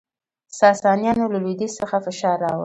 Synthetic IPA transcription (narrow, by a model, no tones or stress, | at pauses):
sɑsɑnjɑnolalwid̪isəxafɪʃɑɾːɑwə̰